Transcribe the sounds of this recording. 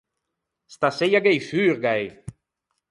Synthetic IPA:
st̪asejaɡejfyːɾɡaj

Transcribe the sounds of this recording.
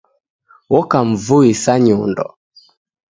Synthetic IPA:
wɔkaɱ̩vuisaɲundɔ̰

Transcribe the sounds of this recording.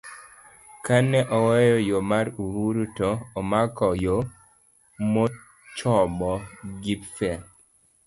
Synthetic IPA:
kanɛʔɔwɛjɔjomaɾuhuɾutɔːmakɔjo | mɔ | t͡ʃɔbɔɡipfɛ

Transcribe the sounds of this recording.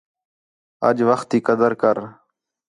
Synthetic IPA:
ə̰d͡ʒʋəxt̪iːkəd̪əɾkəɾ

